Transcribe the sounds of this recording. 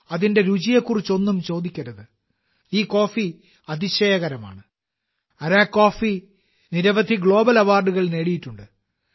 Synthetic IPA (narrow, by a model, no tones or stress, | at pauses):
ɐðinde̞ɾud͡ʑijɐkːurit͡ɕːo̞nːumt͡ɕo̞ːd̪ikʲːɐɾɐðɨ | iːko̞ːfi | ɐd̪iɕeːjɐɣɐɾɐma̰ːɳɨ | ɐɾaːkːo̞ːfi | niɾɐʋɐd̪ʱiɡɭo̞ːbɐlɐʋaːrɖuɣɐɭne̞ːɽijiʈːuɳɖɨ